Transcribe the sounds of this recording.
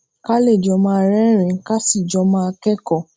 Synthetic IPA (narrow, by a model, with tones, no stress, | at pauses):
ka˦le˦˨d͡ʒɔ˨˦mã˧˨ɾɛ˦ɾ̃ĩ˨˦ka˦si˦˨d͡ʒɔ˨˧mã˦˧kɛ˦kɔ˦˨